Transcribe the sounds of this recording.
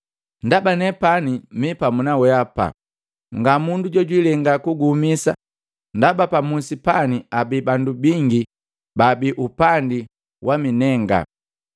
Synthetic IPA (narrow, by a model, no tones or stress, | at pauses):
ndabanɛpanimipamunawɛapa̰ | ŋɡamunduɟɔɟwilɛŋɡakuɡumisa̰ | ndabapamusipaniabibandubiŋɡi | babiʔupandi | wʔaminɛŋɡa̰